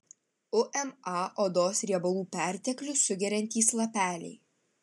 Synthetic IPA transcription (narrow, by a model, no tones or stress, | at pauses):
ʊʔɛmɑʔoːd̪oːsɾʲiɛbɐlˠuːpʲæˑɾʲt̪ʲɛklʲʊʊɡʲɛɾʲɛnʲt̪ʲiːslˠɐpʲæːlʲɛ̰ɪ